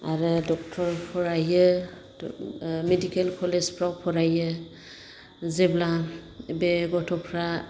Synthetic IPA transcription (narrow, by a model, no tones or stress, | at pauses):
aɾɯdɔk̚tʰɔɹpʰɔɹajɯ | medikɛlkʰɔlezpʰɾawpʰɔɾajɯ | zɛblabeɡɔtʰɔpʰɹa